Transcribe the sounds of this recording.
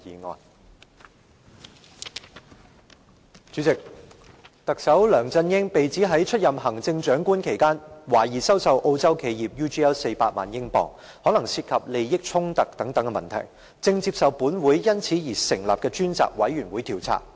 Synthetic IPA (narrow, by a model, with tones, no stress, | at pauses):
iː˨˧ŋɔ̰ː˨n | t͡ʃyː˨˥t͡sɪ˨k̚ | t̪ɐ˨k̚sɐ˨˥wlœː˨˩ŋt͡sɐ˧njɪ˥ŋpe˨jt͡siː˨˥ɦɐ˨˥jt͡ʃʰɵ˥t̚jɐ˨mɦɐ˨˩ŋt͡sɪ˧ŋt͡ʃœː˨˥ŋkuː˥nkʰe˨˩jkaː˥nwaː˨˩jiː˨˩sɐ˥wsɐ˨wʔo˧wt͡sɐ˥wkʰe˨˧jiː˨˩p̚juː˥t͡ʃiː˥ɛ˥wse˧jpaː˧t̚ma̰ː˨njɪ˥ŋpɔ̰ː˨˩ŋ | hɔː˨˥nɐ˨˩ŋsiː˧t̚kʰɐ˨p̚le˨jːɪ˥k̚t͡ʃʰʊ˥ŋt̪ɐ˨k̚t̪ɐ˨˥ŋt̪ɐ˨˥ŋkɛ˧mɐ˨nt̪ʰɐ̰˨˩j | t͡sɪ˧ŋt͡siː˧p̚sɐ˨wpuː˨˥nwuː˨˥jjɐ˥nt͡sʰiː˨˥jiː˨˩sɪ˨˩ŋla̰ː˨p̚kɛː˧t͡ʃyː˥nt͡sa̰ː˨k̚wɐ˨˥jɥyː˨˩nwuː˨˥jt̪ʰiː˨˩wt͡sʰa̰ː˨˩k̚